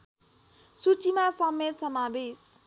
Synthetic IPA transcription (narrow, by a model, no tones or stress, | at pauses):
sut͡sʰimasʌmːet̪sʌmabes